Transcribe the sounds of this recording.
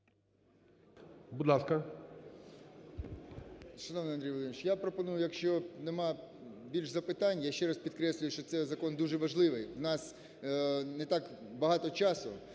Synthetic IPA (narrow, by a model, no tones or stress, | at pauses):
bud̪lˠɑskɐ | ʃɐnoʋnɪɐnd̪ɾʲijʋɔlˠd̪ɪmɪt͡ʃjapɾɔpɔnujʊjɐkʃt͡ʃɔnɛmɑbʲilʲʃzɐpɪt̪ɑnʲjaʃt͡ʃɛɾaspʲid̪kɾɛsʲlʲʊjʊʃt͡ʃɔt̪sɛzɐkɔnd̪uʒɛʋɐʒlˠɪʋɪjwnɑs | nɛt̪ɑkbɐɦɑt̪ɔt͡ʃɑsʊ